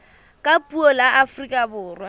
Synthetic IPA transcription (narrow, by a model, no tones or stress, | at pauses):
kʼapʼuɔlaʔafrikʼabʊːrwa